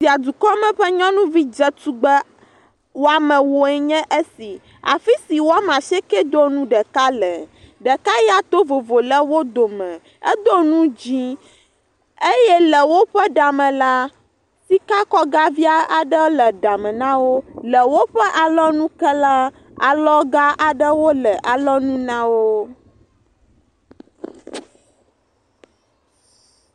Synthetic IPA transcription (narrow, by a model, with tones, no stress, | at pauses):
si˨a˨d̪u˨kɔ˦mɛ̃˨ɸɛ˦ɲɔ̃˦nũ˦vi˦d͡ʒɛ˦t̪u˦ɡ͡bɛ˦ | wo˦a˨mɛ̃˨wo˨ɛ˦ɲɛ̃˦ʔe˦si˨ | a̰˨fi˦si˨wo˦a˨m˨a˨ʃɛ˦kɛ˦d̪o˦nũ˦ɖɛ˨ka˦lɛ˨ | ɖɛ˨ka˦jɛ˦a˨t̪o˦vo˨vo˨lɛ˦wo˦d̪o˨mɛ̃˨ | ɛ̰˦d̪o˦nũ˦d͡ʑi˦ | e˦jɛ˦lɛ˨wo˦ɸɛ˦ɖa˨mɛ̃˨la˦ | si˦ka˦kɔ˦ɡa˦vi˦a˦a˨ɖə˦lə˨ɖa˨mə̃˨nã˦wo˦lə˨wo˦ɸə˦ʔa˨lɔ˦nũ˦kə˦la˦ | a̰˨lɔ˦ɡa˦ʔa˨ɖə˦wo˦lə˨ʔa˨lɔ˦nũ˦nã˦wo˦